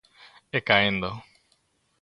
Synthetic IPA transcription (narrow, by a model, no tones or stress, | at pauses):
ekaẽnd̪o